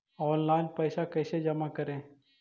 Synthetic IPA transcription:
ɔːnlaːɪnpɐɪsakɐːsed͡ʒɐmakɐɾẽː

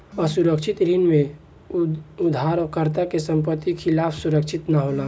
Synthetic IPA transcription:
əsuɾəkʃʰɪt̪ɾinmẽ | ʊd̪ʱaːɾɔːkəɾt̪akesə̃mpət̪ːikʰɪlaːpʰsuɾəkʃʰɪt̪naɦoːlaː

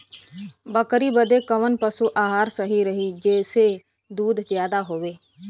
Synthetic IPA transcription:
bəkɾiːbəd̪eːkəʋənpəsuːʔaːɦaːɾsəɦiːɾəɦiːd͡ʒɛːseː | d̪uːd̪zjaːd̪aːɦoːʋeː

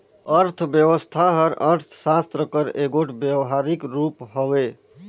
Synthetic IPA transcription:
əɾt̪ʰbjeʋəst̪ʰaɦəɾəɾt̪ʰsast̪ɾəkəɾeɡoʈʰbjewɦaɾikɾupɦowe

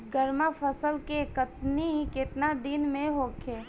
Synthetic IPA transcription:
ɡəɾmapʰəsəlkekət̪nikɪt̪nad̪ɪnmẽɦoːkʰeː

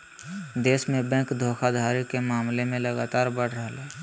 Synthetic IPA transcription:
d̪eːsmẽbɛ̃ŋkd̪ʱoːkʰad̪ʱaːɾikemaːmlemẽlɐɡaːt̪aːɾbəɽ̤ɾəɦlɛː

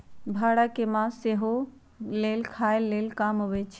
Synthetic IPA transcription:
bʱaɽakemãseɦo | lelkʰaelːelkamɦobɛt͡ʃʰ

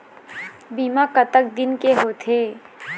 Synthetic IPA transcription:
biːmakət̪ək̚d̪ɪnkeɦoːt̪ʰeː

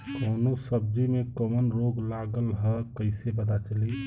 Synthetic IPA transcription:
koːnosəb̚d͡ʒimẽkəmənɾoːɡlaɡəlɦəkəɪsebəd̪at͡ʃəli

